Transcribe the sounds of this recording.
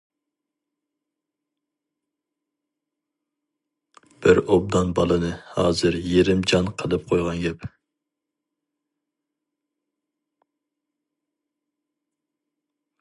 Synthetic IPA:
b̥ɪɾob̚d̪ɑnbɑlˠɨnɨhɑːzɨɾjeɾɪmd͡ʒɑnqʰəlˠɨp̚qʰojʁɑnɡʲɛp

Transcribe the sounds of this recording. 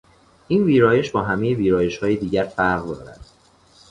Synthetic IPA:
ʔiːnviːɾɒːje̞ʃbɒːɦæmejeviːɾɒːje̞ʃhɒːjed̪iːɟæɾfæɾʁd̪ɒ̰ːɾæ̰d̪̥

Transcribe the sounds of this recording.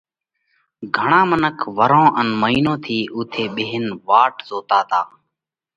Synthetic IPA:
ɡʱəɳãːmənəkʰʋəɾõːʔənməɦiːnõːt̪ʰiːʔuːt̪ʰeːɓeːɪnʋaːʈzoːt̪aːt̪aː

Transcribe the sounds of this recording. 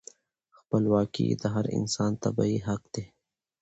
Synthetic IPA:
xpəlwɑːkḭd̪əɦɐɾɪ̰nsɑːnt̪ɐbaiɦɐq̚d̪eː

